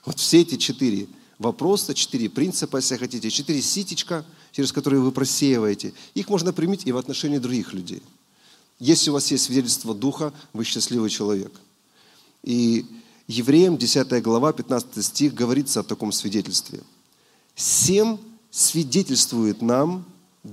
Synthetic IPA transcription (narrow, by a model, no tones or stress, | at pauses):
vo̞t̪fsʲeɛtʲɪt͡ɕɪt̪iɾʲɪ̰ | vɐpɾo̞sət͡ɕɪ̥t̪ɨɾʲɪpɾʲinsɨpəjɛsʲlʲɪxɐtʲitʲɪt͡ɕɪt̪ɨɾʲɪsʲitʲɪt͡ɕkət͡ɕɪɾʲɪskɐt̪o̞ɾɨjʊvɨpɾɐsʲejɪvəjɪtʲɪixmo̞ʐnəpɾʲɪmʲitʲɪvɐt̪nɐʂɛnʲɪːd̪ɾʊɡʲixlʲʉdʲḛj | jesʲlʲɪʊvasjesʲtʲsvʲɪdʲetʲɪlʲst̪vəd̪uxəvɨɕːɪsʲlʲivɨjt͡ɕɪlˠɐvʲe̞̰k | i | jɪvɾʲejɪmdʲɪsʲat̪əjəɡlˠɐvapʲɪt̪nat̪sɨ̥t̪ɨjsʲtʲixɡəvɐɾʲit̪səɐt̪ɐko̞msʲvʲɪdʲetʲɪlʲst̪vʲɪ̰ | sʲem | svʲɪdʲetʲɪlʲst̪vʊjɪt̪nam